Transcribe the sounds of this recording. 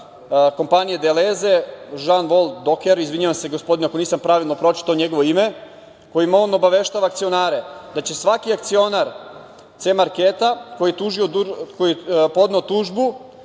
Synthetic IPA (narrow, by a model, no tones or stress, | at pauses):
ko̞mpanijed̪eleze̞ʒanʋo̞lˠt̪d̪okeɾizʋiɲiʋamseɡo̞spo̞d̪ineakoniːsampɾaʋilˠnopɾo̞t͡ʃi̥t̪aoɲeɡo̞ʋoime | ko̞jimaono̞baʋe̞ʃt̪aːʋaːkt̪sio̞naːɾed̪at͡ɕe̞sʋakiakt̪sio̞naɾ | t̪semaɾket̪ako̞jiet̪uʒioukojiepo̞d̪neot̪uːʒbu